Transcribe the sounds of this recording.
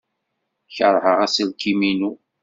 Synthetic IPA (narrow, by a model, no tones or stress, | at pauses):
çəɾˤhəʁæsəlkiminu